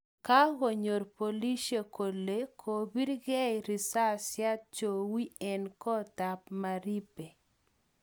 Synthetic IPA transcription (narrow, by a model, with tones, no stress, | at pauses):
ka˦ɣo˨ɲo˨ɾpo˨li˦ʃe˨ko˨le˦kʰo˨bi˦ɾɡɛ˦ɾi˨sa˦sja˦t̚t͡ʃo˨wi˦ɛ˨nkɔ˦ta˨pma˨ɾi˦pe˨